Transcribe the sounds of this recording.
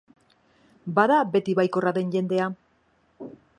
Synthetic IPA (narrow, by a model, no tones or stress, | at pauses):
baðabe̞t̪iβajko̞raðe̞nʝe̞nd̪e̞a